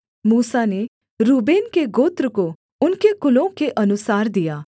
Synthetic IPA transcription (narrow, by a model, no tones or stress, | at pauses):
muːsane | ɾubeːnkeɡoːt̪ɾəko | ʊnkekʊlõkeʔənʊsaːɾd̪ijaː